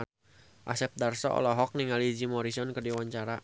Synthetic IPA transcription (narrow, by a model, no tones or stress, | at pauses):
ʔa̰sɛp̚darsɔ̰ɔ̰lɔɦɔk̚niŋalid͡ʒimɔɾisɔnkərdiwaɲt͡ʃaɾa